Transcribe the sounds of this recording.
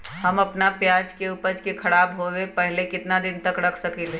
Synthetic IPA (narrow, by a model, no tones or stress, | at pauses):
ɦɐmɐpnapjaːd͡ʒkeupəɾt͡ʃkekʰɐɽaːbɦoʋepɛɦlekɪt̪nad̪ɪnt̪ɐkɾɐkʰsɐkele